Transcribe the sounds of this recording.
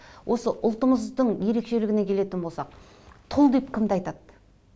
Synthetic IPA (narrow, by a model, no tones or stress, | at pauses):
wʔo̞səʔʊlˠt̪əɴəzd̪əɴje̞ɾe̞kʃe̞lɪɡʲɪne̞kʲʰe̞le̞t̪ɪnbo̞lˠsɑq̚ | t̪ʰʊlˠd̪e̞pkʲʰɪmd̪ɪɑjt̪ɑd̪